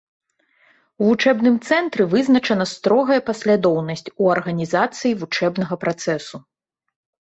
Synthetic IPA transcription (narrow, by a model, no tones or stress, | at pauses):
wvut͡ʂɛbnɨmt̪sɛnt̪ɾɨvɨznɐt͡ʂɐnɐst̪ɾɔɣɐjɐpɐsʲlʲad̪ɔwnɐsʲt͡sʲuɐrɣɐnʲizat̪sɨjivut͡ʂɛbnɐɣɐpɾat̪sɛsu